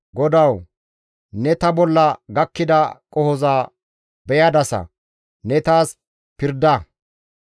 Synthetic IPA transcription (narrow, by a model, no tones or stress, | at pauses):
ɡɔd̪ɐw | nɛt̪ɐbɔlːɐɡɐkːɪd̪ɐkʼɔhɔzaː | bɛjɐd̪ɐsɐ̰ | nɛt̪aːs | pɪɾd̪ɐ